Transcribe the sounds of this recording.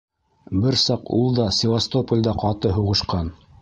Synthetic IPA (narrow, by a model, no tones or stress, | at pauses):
bɘɾsɑqṵlˠd̪ɑsʲɪvast̪opəlʲd̪ɑqɑt̪ɤɦuʁɤ̆ʃqɑn